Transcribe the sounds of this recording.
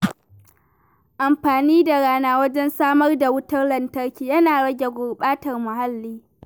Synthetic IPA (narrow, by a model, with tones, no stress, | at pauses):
ʔa˨mɸaː˨niː˦da˨ɽaː˦naː˦wɐ˦d͡ʒɛ˦nsaː˦mɐ˦rda˨wʊ˦tɐ˦rlɐ˨ntɐ˦rkʲiː˨jɐ˦naː˨ɽɐ˦ɡʲe˨ɡʷʊ˨rɓaː˦tɐ˨rmʊ˨ɦa˦lːiː˦